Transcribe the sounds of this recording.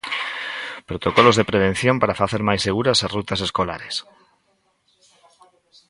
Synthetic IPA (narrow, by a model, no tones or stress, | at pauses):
pɾot̪okolozðepɾeβ̞en̟θjõmpaɾafaθeɾmajseɣ̞uɾasarut̪aseskola̰ɾes